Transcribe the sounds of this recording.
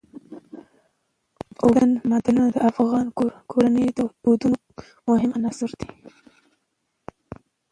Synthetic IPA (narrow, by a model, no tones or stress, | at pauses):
wɽanmad̪alunad̪əafɣɑnkʰoɾanəjd̪d̪od̪uno | mʊɦɪmanɑsɪɾd̪e̥